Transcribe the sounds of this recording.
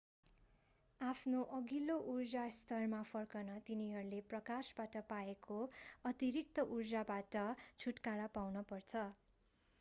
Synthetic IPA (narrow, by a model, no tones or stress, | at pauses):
apʰnoʔʌɡiloʔurd͡zast̪ʌrmapʰʌrkʌnʌt̪iniɦʌɾuleprʌkasbaʈʌpaekoʌt̪iɾik̚t̪ʌʔurd͡zabaʈʌt͡sʰuʈkaɽapawnʌpʌrt͡sʰʌ